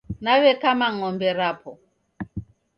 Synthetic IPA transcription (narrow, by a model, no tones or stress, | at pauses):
naβɛkamaŋɔmbɛɾapʰɔ